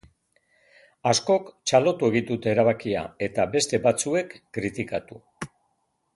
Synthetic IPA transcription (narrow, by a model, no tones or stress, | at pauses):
asko̞kt͡ʃalo̞t̪ue̞ɣind̪ut̪eeɾaβ̞akia̰e̞t̪abe̞st̪e̞bat͡sue̞kːɾit̪ikat̪u